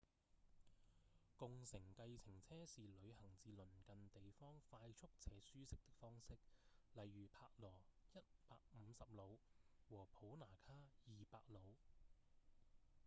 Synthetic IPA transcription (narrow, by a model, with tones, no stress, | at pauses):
kʊ˨ŋsɪ˨˩ŋkɐ˧jt͡sʰɪ˨˩ŋt͡sʰɛː˥siː˨lɵ˨˧ɥɦɐ˨˩ŋt͡siː˨lɵ˨˩nkɐ˨nt̪e˨jfɔː˥ŋfaː˧jt͡ʃʰʊ˥k̚t͡sʰɛː˨˥syː˥sɪ˥k̚t̪ɪ˥k̚fɔː˥ŋsɪ˥k̚lɐ˨jɥyː˨˩pʰaː˧k̚lɔː˨˩jɐ˥t̚paː˧k̚m̩˨˧sɐ˨p̚lo˨˧wwɔː˨˩pʰo˨˥wnaː˨˩kʰaː˥jiː˨pa̰ː˧k̚lo˨˧w